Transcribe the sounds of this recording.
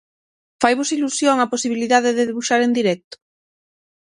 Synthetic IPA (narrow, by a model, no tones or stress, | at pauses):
fajβosilusjoŋaposiβiliðaðeðeðeβuʃaɾend̪iɾɛk̚t̪o̥